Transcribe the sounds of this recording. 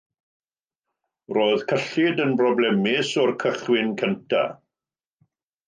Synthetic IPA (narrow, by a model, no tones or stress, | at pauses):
roːðkʰəɬɪdənbrɔblɛmɪsɔrkʰəχwɪnkʰəntʰa̰